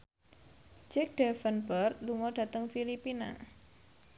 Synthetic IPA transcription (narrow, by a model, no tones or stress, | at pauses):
d͡ʒɛk̚d̥ɛfənbərt̪luŋɔɖ̥a̤t̪əŋfilipina̰